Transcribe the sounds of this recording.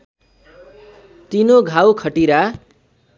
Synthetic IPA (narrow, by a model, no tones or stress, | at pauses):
t̪inoɡʱawkʰʌʈiɾa